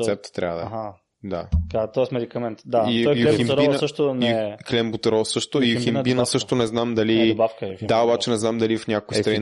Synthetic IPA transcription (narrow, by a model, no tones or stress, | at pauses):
sɛp̚t̪t̪ːɾʔa̰vəd̪̰a | d̪akat̪ɔɛsmɛd̪ikɐmɛnt̪d̪aiɔiiɾisəʃt̪oniklɛmbut̪ɛɾɔsɤʃt̪oiximnbinəsɤʃt̪onɛznamd̪ɐlibakədd̪aobat͡ʃɛnɛznamd̪ɐliɐfnʲakokist̪ɾɐin